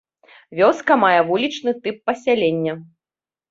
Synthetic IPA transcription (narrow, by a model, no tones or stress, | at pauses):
vʲɔskɐmajɛvulʲit͡ʂnɨt̪ɨpːɐsʲalʲenʲːɐ